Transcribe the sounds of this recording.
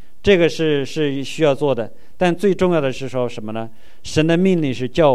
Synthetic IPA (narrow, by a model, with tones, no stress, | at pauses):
ʈ͡ʂɤ˥˩ɡə˩ʂɻ̩˥˩ʂɻ̩˥˩ɕy˥jɑ˥˧ʊt͡swɔ˥˩d̪ə˩ | t̪a˥˧nt͡swe˥˧ɪʈ͡ʂʊ˥˧ŋjɑ˥˩ʊd̪ə˩ʂɻ̩˥˩ʂwɔ˥ʂə˧˥nmə˧nə˧ | ʂə˧˥nd̪ə˧mi˥˧nli˥˧ʂɻ̩˥˧t͡ɕjɑ˥˩ʊ